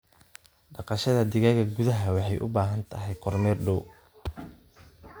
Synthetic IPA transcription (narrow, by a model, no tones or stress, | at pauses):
ɖɑqɑʃɐðɐd̪ɪɣaːɣɐɡuðɐɦɐwɑħɑjʔʊ̰baːɦɐnt̪ʰɐɦɛjqʰɔrmɛːrɖɔw